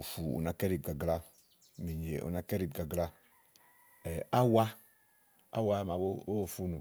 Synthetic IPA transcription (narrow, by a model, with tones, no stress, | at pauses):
u˨fu˨ṵ˨na˨kɛ˦ɾi˨b̚ɡa˨ɡla˦ | mi˨ɲ˨e˨ʔo̰˨na˨˦kɛ˦ɾi˨b̚ɡa˨ɡla˦ | ɛ˨a˦wa˦ | a̰˦wa˦ma˨bo˦o˦˨fu˦nu˨